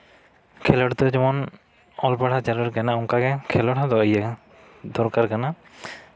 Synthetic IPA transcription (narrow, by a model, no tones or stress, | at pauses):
kʰɛlɔɽt̪ɔd͡ʒɔmɔn | ɔlpaɽʰat͡ʃaɾɔɾkanaɔŋkaɡɛkʰɛlɔɽad̪ɔʔəja | d̪ɔɾkaɾkana